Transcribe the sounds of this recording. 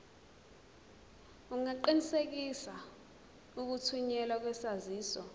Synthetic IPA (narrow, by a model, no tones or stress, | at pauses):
uŋaǃinisek̬isa | uk̬utʰuɲɛlak̬wɛsaziːsɔ